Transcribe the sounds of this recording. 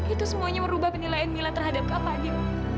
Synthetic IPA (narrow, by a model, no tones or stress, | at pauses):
it̪usəmuaɲaməɾubahpənilajanːilat̪ərɦadap̚kapad͡ʒi